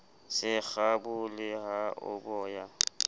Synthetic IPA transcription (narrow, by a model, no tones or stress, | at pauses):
sɪk͡xabʊlɪhaʊ̰bɔːja